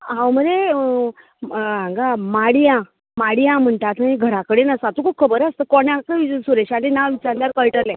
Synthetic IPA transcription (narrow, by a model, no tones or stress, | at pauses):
ɦãwməɾe | ãŋɡamaɽijã | maɽijãm̤əɳʈat̪əɦĩɡʱəɾakəɽenəsat̪okʰup̚kʰəbəɾast̪əkɔɳjãkəisuɾeɕalenaʋit͡ɕaɾdaɾkəjʈəɾlɛ̃